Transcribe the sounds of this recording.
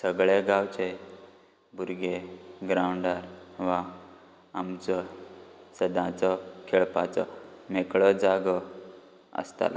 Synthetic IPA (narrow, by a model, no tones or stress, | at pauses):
səɡɭeɡawt͡ɕe | buɾɡeɡɾawɳɖaɾʋa | amt͡sɔ | səd̪ãt͡sɔkʰeɭpat͡sɔ̰mekɭəd͡zaɡə | ə̰st̪a̰la̰